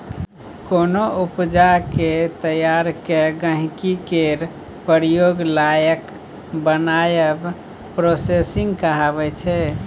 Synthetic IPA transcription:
konoupd͡ʒaket̪əjaɾkeɡə̃ɦkikeɾ | pəɾjoɡlajək | bənajəb | pɾosesiŋɡkəɦabɛt͡ʃʰɛ

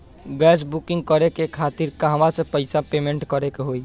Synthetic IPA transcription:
ɡɛsbukɪ̃ŋɡkəɾekekʰat̪iɾkaɦəmasẽpəɪsapemẽɳʈkəɾekeɦoi

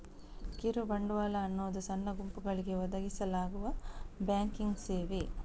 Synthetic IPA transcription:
kiɾubɐɳɖuʋaːlɐːnːoːd̪usɐnːɐɡumpuɡɐɭiɡe̞ʋɐd̪ɐɡisɐlaːɡuʋɐbjaːŋkiŋɡseːʋi

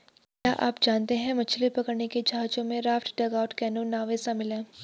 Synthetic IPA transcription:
kjaːʔa̰ːpd͡ʒaːnt̪eɦɛ̃mɐt͡ʃʰlipɐkəɾneked͡ʒaːt͡ʃõmẽɾaːfʈɖɐɡaːʊʈkɛːnoːnaːʋesamɪlẽː

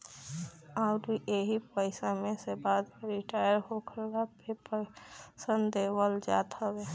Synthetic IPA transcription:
aʊɾiʔeɦipəɪsamẽsebaːd̪ɾɪʈaːjəɾɦokʰəɾɡapʰepəsənd̪eːwəld͡ʒa̰ːt̪əɡe

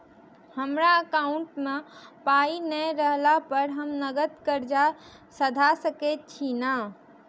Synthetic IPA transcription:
həmɾaəkauɳʈmepainəɾəɦlapəɾɦəmnəɡət̪kəɾd͡ʒa | səd̪ʱasəket̪̚t͡ʃʰina

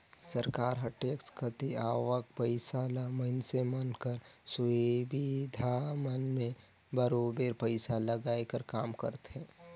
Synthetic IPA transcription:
səɾkaːɾɦɐʈekskʰət̪iaːʋək̚pəɪsalaməɪnsemənkəɾsubid̪ʱamənmẽ | bəɾobeɾpəɪsaləɡaːjkəɾkaːmkə̰ɾt̪ɦɛ̃ː

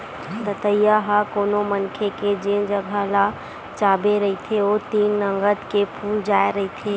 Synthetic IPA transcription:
d̪ət̪əjaɦakoːnomənkʰeked͡ʒẽnd͡ʒəɡʱəla | t͡ʃaːbeɾəɦit̪ʰeoːt̪iːnːəŋɡət̪kepʰuːld͡ʒaːeɾəɦit̪ʰeː

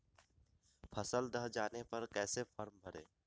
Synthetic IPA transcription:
pʰɐsəld̪əɦd͡ʒaːnepɐɾkɛːsefʰɐɾmbʱɐɽḛː

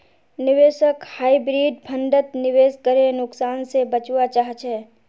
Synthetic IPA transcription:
nɪʋeːʃəkhaːibɾiːɖpʰə̃ɳɖət̪nɪʋeːskəɾenʊksaːnsebət͡ʃwat͡ʃaːɦt͡ʃʰɛː

